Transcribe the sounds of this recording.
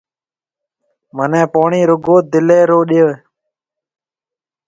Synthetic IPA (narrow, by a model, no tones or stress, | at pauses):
mənẽːpoːɳiːɾʊɡoːd̪ɪleːɾoːɗɪjoː